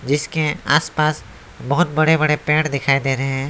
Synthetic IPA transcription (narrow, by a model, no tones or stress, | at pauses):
d͡ʒɪskeaːspaːs | bɐɦʊt̪̚bɐɽebɐɽepɛ̃ːʈd̪ɪkʰaːid̪eːɾəɦeɛ̃ː